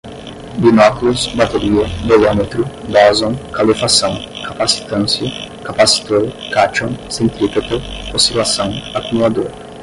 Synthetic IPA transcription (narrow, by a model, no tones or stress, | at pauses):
binɔkulusbat̪eɾiɐb̪elɔmet̪ɾʊd̪ɔzõŋkalifasɐ̃w̃kapasi̥t̪ɐ̃nsjɐkapasi̥t̪oɾkat͡ʃõwsẽnt̪ɾipet̪ɐosilasɐ̃w̃akumulad̪oɾɐ